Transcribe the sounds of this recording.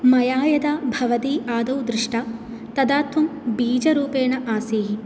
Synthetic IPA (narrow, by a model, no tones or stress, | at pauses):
mɐjaːjɐd̪abʱɐʋɐt̪iːʔaːd̪ɐwd̪ɾiʂʈa | t̪ɐd̪aːt̪ʋɐmbiːd͡ʒɐɾuːpeːnɐʔaːsiːɦi